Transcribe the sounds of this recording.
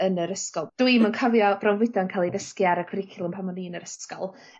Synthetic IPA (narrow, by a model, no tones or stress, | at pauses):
ənəɾəskɔlˠd̥wimənkʰəvjɔb̥rɔnvɪdɔənkʰaːlˠiðəskiaɾəkʰəɾɪkʰɪlˠənmpʰamɔniːənəɾəskɔlˠ